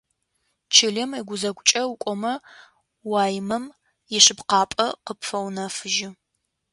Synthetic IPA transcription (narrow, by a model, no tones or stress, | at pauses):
t͡ʃʰɪɮɪmiɡʷʊzɐɡʷʊt͡ʃʼɐwkʷʼɔmɐ | wɑːjɪmɐm | jɪɕɪpqɑːpʼɐqəpfɐwnɐfɨʒɪ